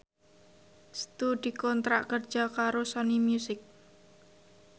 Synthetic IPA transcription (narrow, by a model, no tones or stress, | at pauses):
st̪udikɔnt̪ɾaʔkərd̥ʒ̥akaɾosɔnimjusɪk̚